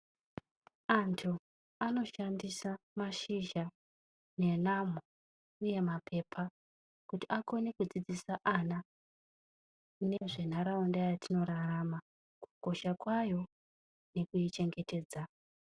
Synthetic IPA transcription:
antʰu | ano̞ʃandisamaʃiʒa | ne̞nam̤o | uje̞mapʰe̞pʰa | kutiʔako̞ne̞kud͡zid͡zisaʔana | ne̞ʐe̞n̤aɾaundajatino̞ɾarama | ku̥ko̞ʃakwajo̞ | ne̞kujit͡ʃe̞ŋɡe̞te̞ːd͡za

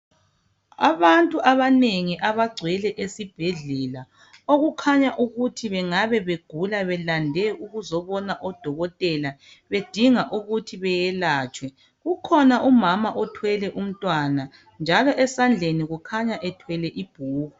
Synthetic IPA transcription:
a̰βantʼuʔaβaneŋiʔaβaɡ͡ǀʱwɛlɛʔesib̥ʱeɮɛla | oɣukʰaɲaʔuɣutʰiβɛŋaβɛβeɡ̥ʱulaβɛlandʱɛʔuɣuzɔβɔnaʔɔd̥ʱɔɣɔtʼɛla | βed̥ʱiŋaʔuɣutʰiβɛjɛlaːt͡ʃʼwɛ | ɣukʰɔnaʔumamaʔɔtʰwɛlɛʔum̩tʼwana | nd͡ʒʱalɔʔɛsand͡ɮʱeniɣukʰaɲaʔɛtʰwɛlɛʔib̥ʱuːɣu

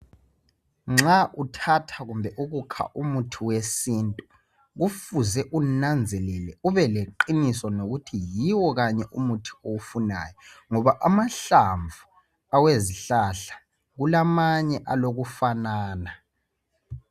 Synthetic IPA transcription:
ŋ͡ǁaʔutʰatʰaɣumbʱɛʔuɣukʰa̰ʔumutʰiwesintʼu | ɣufuzɛʔunand͡zʱɛlɛlɛuβɛleǃinisɔnoɣutʰijiwɔɣaɲɛʔumutʰi̥owufuna̰ːjɔ | ŋɔβaʔamaɬaɱvʱu | aweziɬaɬḁ | ɣulamaɲɛʔaloɣufanaːna

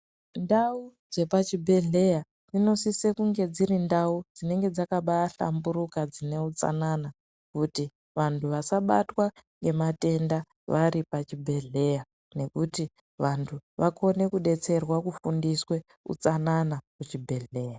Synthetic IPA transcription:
ndau | d͡ze̞pat͡ʃibʱe̞ɮe̞ja | d͡zino̞sise̞kuŋɡe̞d͡zirindaud͡zine̞ŋɡe̞d͡zakaɓaaɬa̰mbuɾukad͡zine̞ut͡sa̰nana | kuti | ʋantʰuʋasaɓa̰twaŋɡe̞mate̞nda | ʋaɾipat͡ʃibʱe̞ɮe̞ja | ne̞kuti | ʋantʰuʋako̞ne̞kuɗe̞t͡se̞rwakufundiswe̞ | ṵt͡sananakut͡ʃibʱe̞ɮe̞ːja

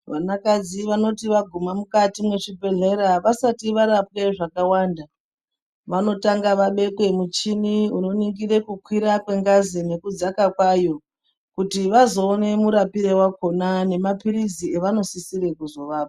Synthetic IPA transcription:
ʋanakad͡ziʋano̞tiʋaɡʱumamukatimwe̞ʐibʱe̞ɮe̞ɾaʋasatiʋaɾap̚we̞ʐakawanda | ʋano̞taŋɡaʋaɓe̞kwe̞mut͡ʃiniuno̞niŋɡire̞kukwiɾakwe̞ŋɡazine̞kud͡zakakwajo̞ | kutiʋazo̞ːne̞muɾapirewako̞nane̞mapirizie̞ʋano̞sisiɾe̞kuzo̞ʋaːp̚a

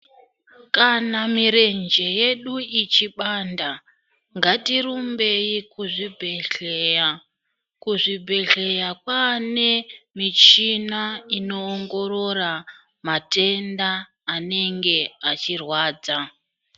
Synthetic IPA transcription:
kanamiɾe̞nd͡ʒe̞je̞ɗuit͡ʃiɓanda | ŋɡatiɾumbe̞ikuʐibʱe | kuʐibʱe̞ɮe̞jakwane̞mit͡ʃinaino̞ːŋɡo̞ɾo̞ra | mate̞ndaː | ne̞ŋɡe̞at͡ʃirwaːd͡za

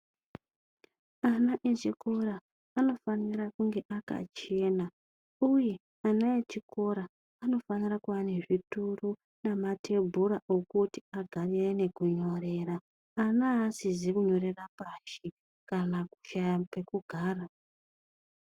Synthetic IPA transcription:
anaʔet͡ʃiko̞ɾaː | no̞faniɾakuŋɡe̞ʔaka̰t͡ʃe̞ːna | uje̞ | anaet͡ʃiko̞ɾaː | no̞fanirakuwaneʐituru | namatʰe̞bʱuɾaʔokuti̥aɡʱarire̞ne̞kuɲo̞re̞ɾaː | naːsizekuɲo̞ɾe̞rapaʃi | kanaku̥ʃajape̞kuɡʱaːra

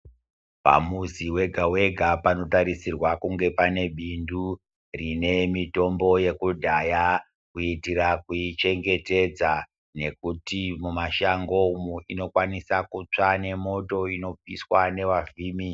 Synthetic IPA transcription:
pa̰muziwe̞ɡʱawe̞ɡʱapano̞taɾisirwakuŋɡe̞pane̞ɓindu | rine̞mito̞mbo̞je̞kudʱaja | kuitirakuit͡ʃe̞ŋɡe̞te̞d͡za | ne̞kutimumaʃaŋɡo̞muino̞kwanisakut͡ʂane̞mo̞to̞ino̞p͡fiswane̞ʋaviːmi

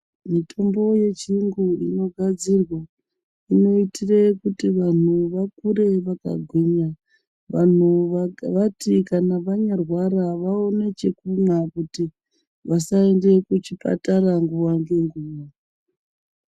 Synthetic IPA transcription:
mitʰo̞mbo̞je̞t͡ʃiŋɡuino̞ɡʱad͡zirwa | ino̞itʰirekutiʋan̤uʋakuɾe̞ʋaka̰ɡʱweɲa | ʋa̰n̤uʋatikanaʋaɲarwaraʋao̞ne̞t͡ʃekumakuti | ʋasaende̞kut͡ʃipa̰taraŋɡuwaŋɡe̞ŋɡuːwa

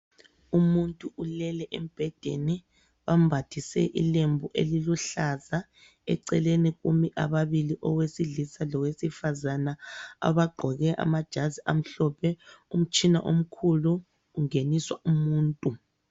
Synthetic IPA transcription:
umuntʼuʔulɛlɛʔɛm̩b̥ʱɛd̥ʱḛni | βambʱatʰisɛ̰ʔḭlembʱuʔḛliluɬaza | ɛ̰ǀɛleniɣumiʔaβaβiliʔɔwesiɮisalɔwesifazanaa̰βaɡ͡ǃʱɔɣɛʔa̰mad̥ʒ̥ʱaziʔam̩ɬɔpʰɛum̩t͡ʃʼina̰ʔom̩kʰuluː | ŋeniswaumuːntʼu

